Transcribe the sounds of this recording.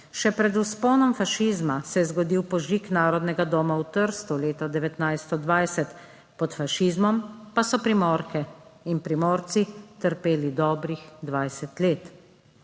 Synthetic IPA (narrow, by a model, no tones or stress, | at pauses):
ʃɛpɾɛd̪uspɔːnɔmfaʃiːzmasɛjɛzɡɔd̪iːwpɔʒiknaːɾɔd̪nɛɡad̪ɔːmawt̪əɾst̪uleːt̪ɔd̪ɛʋɛt̪najst̪ɔd̪ʋajsɛt̪ | pɔt̪faʃiːzmɔmpasɔpɾimɔːɾkɛinpɾimɔːɾt̪sit̪əɾpeːlid̪ɔːbɾixd̪ʋajsɛt̪leːt̪